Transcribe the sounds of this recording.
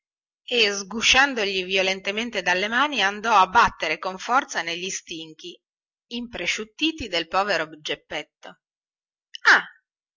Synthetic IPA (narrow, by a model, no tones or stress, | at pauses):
ezɡuʃand̪oʎiviolent̪ement̪ed̪alːemaːniand̪ɔabːat̪ːeɾekoɱfɔrt̪saneʎːist̪iŋk̟i | impɾeʃut̪ːiːt̪id̪elpɔːveɾobid͡ʒːepːɛt̪ːo | a